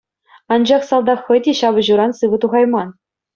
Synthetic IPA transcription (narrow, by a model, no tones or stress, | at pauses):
ɑnd͡ʑɑχsɑlˠd̪ɑχɤ̆jdʲeɕɑbɤ̆ʑuɾɑnsɯʋɤ̆t̪uʁɑjmɑn